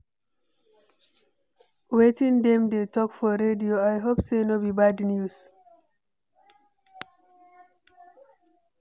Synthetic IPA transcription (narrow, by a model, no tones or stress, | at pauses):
wetĩndɛ̃mdetɔkfɔɾedioajɦopsenobibadnjus